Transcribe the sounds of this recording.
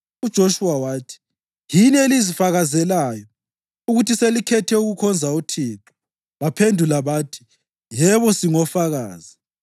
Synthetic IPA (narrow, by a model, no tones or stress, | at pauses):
ud̥ʒ̥ʱoʃuwawaːtʰi̥ | jinelizifaɣazɛlaːjɔ | uɣutʰiselikʰɛtʰɛuɣukʰɔnd͡zʱautʰiːǁɔ̥ | βapʰendʱulaβaːtʰi̥ | jɛβɔsiŋɔfaɣa̰ːzi